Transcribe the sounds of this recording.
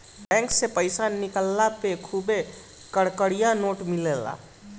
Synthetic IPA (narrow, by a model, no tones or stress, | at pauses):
bɛ̃ːŋksepəɪsanikəlːapekʰube | kəɽkəɽijanoːʈmilela̰